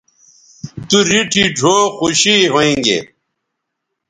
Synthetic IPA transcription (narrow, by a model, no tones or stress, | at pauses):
t̪uɾiʈʰiɖʱoːxuɕiɦoĩːŋɡḛ